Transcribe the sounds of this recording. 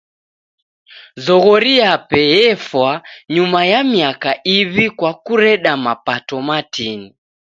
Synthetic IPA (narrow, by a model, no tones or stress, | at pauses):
zɔɣɔɾiapɛjɛfwaɲumajamiakaiβikwakuɾɛɗamapatɔmatini